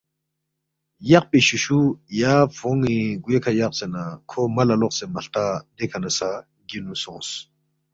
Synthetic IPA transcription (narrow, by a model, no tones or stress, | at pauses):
jɐq̚piɕuʃujaːfoŋiɡwekʰajɐq̚senakʰomɐlɐloqsemɐɬt̪ad̪ekʰɐnɐsa | ɡinusɔ̰̃ːs